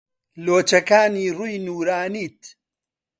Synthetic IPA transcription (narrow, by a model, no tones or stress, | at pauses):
loːt͡ʃɐkaːniːruːjnuːɾaːniːt̪